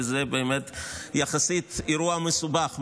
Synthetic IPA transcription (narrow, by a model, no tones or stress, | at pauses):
zebeːmet̪jaχasit̪iɾuamesubaχm